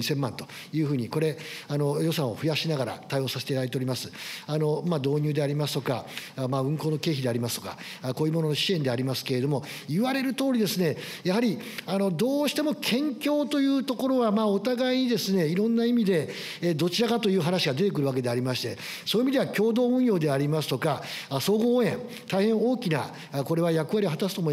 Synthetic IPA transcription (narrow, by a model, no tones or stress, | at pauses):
isẽ̞mːãnt̪o̞̥ | jɯ̟ːɸɯ̟ːɲ̟iko̞ɾe̞ano̞jo̞sãɰ̃o̞̰ɸɯ̟jaɕinaɡaɾa̰t̪ajo̞ːsaset̪ejad̪aɾet̪eoɾʲimasɨano̞mad̪o̞ːɲ̟ɨːd̪e̞aɾʲimasɨ̥t̪o̞kamaɯ̟̃ŋko̞ːno̞ke̞ːçid̪e̞aɾʲimasɨ̥t̪o̞ka̰ | koːjiɯmo̞nono̞ɕie̞nd̪e̞aɾʲimasɨ̥ke̞ɾe̞d̪o̞mo̞ | iβaɾe̞ɾɯ̟t̪o̞ːɾʲid̪e̞sɨne̞ | jaɦaɾʲiano̞d̪o̞ːɕi̥t̪e̞mo̞kʰẽ̞ŋkʲo̞ːt̪o̞jɯ̟ːt̪o̞ko̞ɾo̞βamaːo̞t̪aɡaiɲ̟id̪e̞sɨne̞iɾõ̞nːaimʲid̪e̞ | d̪o̞t͡ɕiɾakat̪o̞jɯ̟ːɦanaɕiɡad̪e̞t̪e̞k̬ɯ̟ɾɯβak̬e̞d̪e̞aɾʲimaɕi̥t̪e̞ | so̞ːimʲid̪eakʲo̞ːd̪o̞ːɯ̟̃ɰ̃jo̞ːd̪e̞aɾʲimasɨ̥t̪o̞kaso̞ːɡoːẽ̞n | t̪aihẽ̞ɰ̃o̞ːkʲina̰ | ko̞ɾe̞βajakɯ̟βaɾʲio̞ɦat̪asɨ̥t̪oːmoi